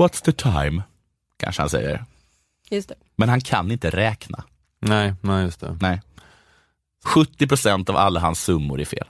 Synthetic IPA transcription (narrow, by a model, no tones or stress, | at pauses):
wɔt̪sðət̪ʰaɪm | kʰa̰nʂəhansɛ̰jːə̰ɾ | jɵst̪ɛ | mɛnhankʰanɪnt̪əɾɛːkna̰ | nɛɪnɛjɵst̪ʰɛ̰nɛɪ | ɧɵt̪ːɪpʰɾʊsɛnt̪ava̰lːaɦansːɵmːʊɾɪfḛːl